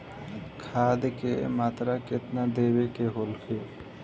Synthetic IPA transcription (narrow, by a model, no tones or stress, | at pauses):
kʰaːd̪kḛmaːt̪ɾakɪt̪nad̪eːwekeɦoːlkʰeː